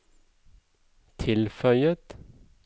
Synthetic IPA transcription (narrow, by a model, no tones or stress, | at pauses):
t̪ʰɪlfœʏət̪